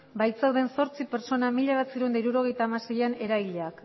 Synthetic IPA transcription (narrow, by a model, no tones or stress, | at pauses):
bajt͡sawðe̞nso̞ɾt͡sipe̞ɾt͡so̞namiʎaβat͡siɾund̪aiɾuɾo̞ɣ̞e̞jt̪aːmasejane̞ɾajʎeak